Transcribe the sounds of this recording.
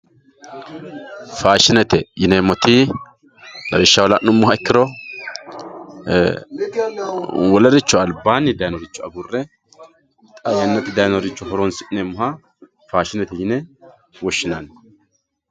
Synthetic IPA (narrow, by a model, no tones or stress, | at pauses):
faːʃɪnɛt̪ɛjɪnemɔt̪i | lɐɾɪʃːɐwɔlɐʔnʊmːʊhɐɛkːɪɾɔ | wɔlɐɾɪt͡ʃːɔɐlbaːnːɪd̪ɐjnɔɾɪt͡ʃːɔɐɡʊrːɛ | t̪ʼɐlɛnːɐt̪ːɪd̪ɐjnɔɾɪt͡ʃːɔhɔɾɔnsɪʔɪnemːʊhɐ | faːʃɪnɛt̪ɛjɪnɛ | wɔʃːɪnan